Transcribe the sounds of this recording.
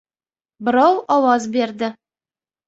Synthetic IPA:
bɪɾɑwɒwɑzbe̞ɾd̪ɪ

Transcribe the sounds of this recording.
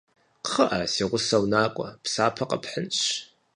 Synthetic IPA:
qχəʔɐsiːʁʷʊsɐwnaːkʷʼɔpsaːpʰɐqʼɐ̰pʰħənɕ

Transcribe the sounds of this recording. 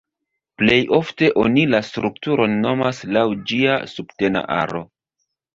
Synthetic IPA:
ple̞jo̞fte̞ʔo̞nilastɾuktuɾo̞nːo̞maslawd͡ʒia̰subte̞na̰ʔa̰ɾo̞

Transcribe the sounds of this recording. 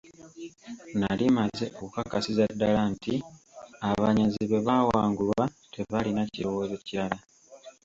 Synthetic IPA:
nalimaze̞ʔoβukakasizadːalanti | aβaɲaziβe̞βawaːŋɡulwa | tʰe̞βalinaciɾo̞wo̞ze̞ciɾala

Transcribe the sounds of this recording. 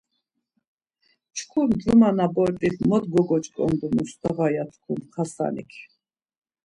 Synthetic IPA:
t͡ʃʰkʰumd͡ʒumanabɔɾpʼiχmɔt̪ɡɔɡɔt͡ʃʼkʼɔ̰nd̪unust̪ʰɔʁajat̪ʰkʰumχʰasa̰nḭkʰ

